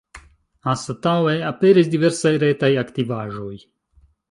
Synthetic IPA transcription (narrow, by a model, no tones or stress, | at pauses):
asat̪awɛapɛːɾɛzd̪ivɛɾsajɾɛːt̪ajakt̪ivaːʒoj